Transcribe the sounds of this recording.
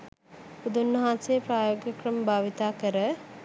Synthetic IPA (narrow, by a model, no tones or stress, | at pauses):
pud̪unːəɦãnsejəpɾaːjoːɡjɐkɾəmbʱaːʋit̪aːkəɾə